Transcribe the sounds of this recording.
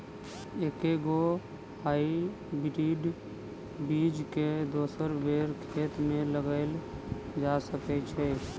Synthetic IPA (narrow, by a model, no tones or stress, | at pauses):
eːkeɡo | haːi | bɾiːɖ | biːd͡ʒked̪oːsəɾbeːɾkʰeːt̪mẽləɡəɪl | d͡ʒasəkɛt͡ʃʰɛ